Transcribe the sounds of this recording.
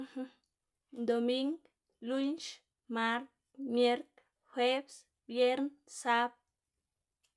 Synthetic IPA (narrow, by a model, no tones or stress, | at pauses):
d̪omiŋɡ | lunʃ | maɾ | mjeɾk | xwebs | bjeɾnsap̚